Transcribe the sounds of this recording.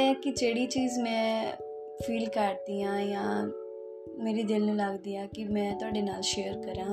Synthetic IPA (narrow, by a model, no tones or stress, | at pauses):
ɛːkɪd͡ʒeːɽiːt͡ʃiːzmɛ̃ː | pʰiːlkəʈ̚d̪iːãːjãː | meːɾiːd̪ɪlnũːləɡd̪iːãːkɪmɛ̃ːt̪ʊaːɖeːnaːlʃeːəɾkəɾãː